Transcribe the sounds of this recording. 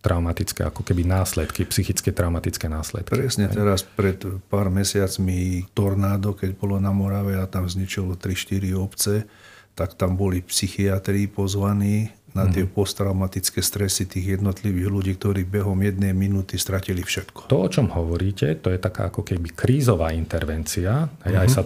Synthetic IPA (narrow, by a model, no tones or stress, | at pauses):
t̪ɾʔaʊmat̪it͡skɛ̰a̰kɔkɛbinaːslɛt̪kipsixit͡skɛt̪ɾaʊmat̪it͡skɛnaːslɛ̰t̪̚kpɾɾɛsɲɛt̪ɛɾaspɾɛt̪paːɾmɛsɪat͡smit̪ɔɾnaːd̪ɔkɛɟbɔlɔnamɔɾaʋɛat̪amzɲit͡ʃɔlɔt̪ɾiʃt̪iɾiɔpt͡sɛ | t̪akt̪ambɔlipsixiat̪ɾipɔzʋaniːnat̪ɪɛpɔst̪ɾaʊmat̪it͡skɛːst̪ɾɛsit̪iːɣjɛd̪nɔt̪liʋiːɣluɟiːk̚t̪ɔɾiːbɛɦɔmjɛd̪nɛjminuːt̪ist̪ɾacilifʃɛt̪kɔ̥t̪ɔɔt͡ʃɔmhɔʋɔɾiːcɛt̪ɔjɛt̪aka̰ːakɔkɛbikɾiːzɔʋaːint̪ɛɾʋɛnt͡siaɦɛjajsa